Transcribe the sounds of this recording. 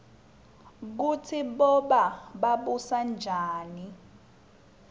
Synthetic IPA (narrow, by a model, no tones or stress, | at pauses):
k̬utʰiɓɔɓaɓaɓusand͡ʒʱaːni